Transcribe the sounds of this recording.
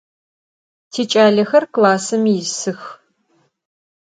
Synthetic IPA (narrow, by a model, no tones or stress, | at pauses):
tʰeːt͡ʃʼaːɮɐxɐrklaːsɐmijɪsɨx